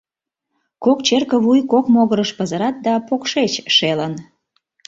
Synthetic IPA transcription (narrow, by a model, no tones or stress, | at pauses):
kokt͡ɕerkəβujkokmoɣəɾəʃpəzəɾɑt̪̚d̪ɑpokʃet͡ɕʃelən